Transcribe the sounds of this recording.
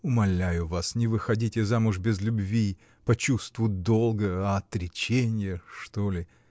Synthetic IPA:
ʊmɐlʲæjʊvasnʲɪvɨxɐdʲitʲɪzamʊʐbʲɪzlʲʊbvʲi | pɐt͡ɕust̪vʊjʊt̪̚d̪olˠɡəɐɐt̪ɾʲɪt͡ɕenʲɪjəʂt̪olʲɪ

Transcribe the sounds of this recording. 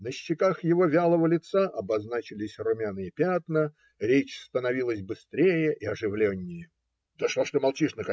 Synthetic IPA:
nəɕːɪkaxjɪvo̞vʲalˠəvəlʲɪt̪saʔɐbɐznat͡ɕɪlʲɪsʲrʊmʲanɨjəpʲat̪nə | ɾʲet͡ɕst̪ənɐvʲilˠəsʲbɨst̪ɾʲejəʔɪɐʐɨvlʲenʲːɪjə | d̪̥əʂlaʂt̪omɐlˠt͡ɕiʂnəkɐ

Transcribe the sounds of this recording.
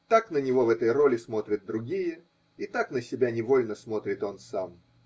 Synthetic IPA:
t̪aknənʲɪvo̞vɛt̪əjro̞lʲɪsmo̞t̪ɾʲɪt̪̚d̪ɾʊɡʲijə | it̪aknəsʲɪbʲanʲɪvo̞lʲnəsmo̞t̪ɾʲɪt̪o̞nsam

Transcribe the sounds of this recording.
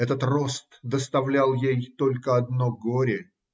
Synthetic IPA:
ɛt̪ət̪ro̞st̪d̪əst̪ɐvlʲalˠjejt̪o̞lʲkəɐd̪noɡoɾʲɪ

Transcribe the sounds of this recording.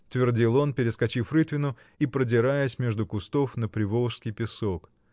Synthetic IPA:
t̪vʲɪrdʲilˠo̞npʲɪɾʲɪskɐt͡ɕifrɨt̪vʲɪnʊ | ipɾədʲɪɾajəsʲmʲe̞ʐd̪ʊkʊst̪o̞fnəpɾʲɪvolˠʂskʲɪjpʲɪsok

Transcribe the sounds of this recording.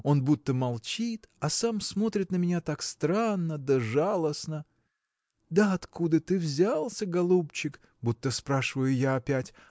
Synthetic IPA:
o̞nbut̪ːəmɐlˠt͡ɕit̪ɐsamsmo̞t̪ɾʲɪt̪nəmʲɪnʲat̪akst̪ɾanːəd̪əʐalˠəsnə | d̪əɐt̪kʰud̪ət̪ɨvzʲalˠsʲəɡɐlˠupt͡ɕɪk | but̪ːəspɾaʂɨvəjʊjaːpʲætʲ

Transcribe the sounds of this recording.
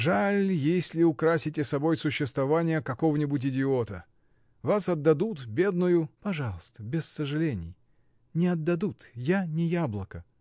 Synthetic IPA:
ʐalʲjesʲlʲɪʊkɾasʲɪtʲɪsɐbojsʊɕːɪst̪vɐvanʲɪjəkɐkovənʲɪbʊt̬ʲɪdʲɪot̪ə | vasɐd̪ːɐd̪ut̪bʲe̞d̪nʊjʊpɐʐɑlˠəst̪əbʲɪsːəʐɨlʲenʲɪ̰j | nʲɪɐd̪ːɐd̪ut̪janʲɪjablˠəkə

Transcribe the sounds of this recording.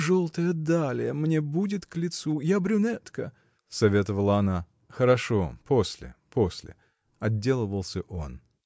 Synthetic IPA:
ʐolˠt̪əjəd̪alʲɪjəmnʲebudʲɪt̪klʲɪt̪sujabɾʲʊnɛt̪kə | sɐvʲe̞t̪əvəlˠəɐna | xəɾɐʂo̞po̞sʲlʲɪ̰po̞sʲlʲɪ̰ | ɐdʲːe̞lˠəvəlˠsʲəʔon

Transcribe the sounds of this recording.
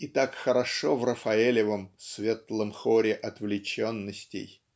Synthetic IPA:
ɪt̪akxəɾɐʂovrəfɐelʲɪvəmsvʲe̞t̪lˠəmxoɾʲɪʔɐt̪vlʲɪt͡ɕonːəsʲtʲɪ̰j

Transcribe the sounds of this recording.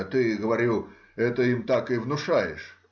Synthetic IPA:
t̪ɨɡəvɐɾʲu | ɛt̪əimt̪akɨvnʊʂajɪ̰ʂ

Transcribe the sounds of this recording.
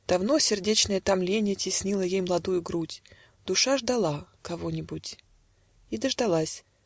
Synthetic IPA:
d̪̥ɐvn̪osʲɪrdʲet͡ɕnəjət̪amlʲenʲɪjətʲɪsʲnʲilˠəjejmlˠɐd̪ujʊɡɾutʲ | d̪̥ʊʂaʐd̪alˠakɐvonʲɪbʊtʲ | id̪əʐd̪alˠasʲ

